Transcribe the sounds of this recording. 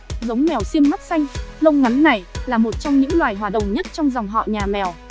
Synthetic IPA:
zə˨˦wŋ͡mmɛ˨˩wsi˧əmma˦˥t̚sa˧jŋ̟lə˧wŋ͡mŋa˨˦nːa˨˩jlaː˨˩mo˨˩t̚t͡ɕɔ˧wŋ͡mɲɨ̰˧˥ŋlwaː˨˩jɦwaː˨˩ɗə̰˨wŋ͡mɲə˦˥t̚t͡ɕɔ˧wŋ͡mza˨˩wŋ͡mɦɔ̰˧˨ɲaː˨˩mɛ˨˩w

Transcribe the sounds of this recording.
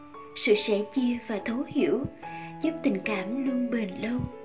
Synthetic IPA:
sɨ̰˧˨sɛ̰˧˥t͡ɕi˧əvaː˨˩t̪ʰə˨˦whḭ˧˩əwzu˦˥p̚t̪ï˨˩ŋ̟kaː˧˩mlu˧əŋɓe˨˩nlə˧w

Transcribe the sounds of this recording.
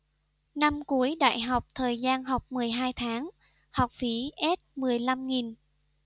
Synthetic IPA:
na˧mku˨˦əjɗa̰ː˧˨jɦa˨˩wk͡p̚t̪ʰəː˨˩jzaː˧nɦa˨˩wk͡p̚mɨ˨˩əjɦaː˧jt̪ʰaː˨˦ŋ | hɔ˨˩wk͡p̚fi˨˦ʔɛ˦˥t̚mɨ˨˩əjla˧mŋi˨˩n

